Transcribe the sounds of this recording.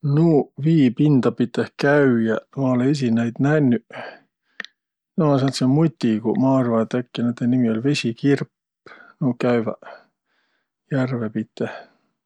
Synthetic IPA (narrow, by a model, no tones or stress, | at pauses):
nuːviːpind̪̥ɑpit̪ːehkæyjæmɑolees̬inæjd̪̥nænːy | nolesɑnt̪semut̪ʲːikṵmɑrvɑt̪ːækːinet̪ːenimiolʲve̞sʲikirpː | nuːkæyvæ̰ | jærvepit̪ːeh